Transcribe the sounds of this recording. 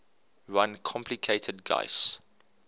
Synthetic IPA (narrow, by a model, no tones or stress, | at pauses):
ɹãnkʰɔ̃mpʰlikʰeɪtʰədɡa̰ɪs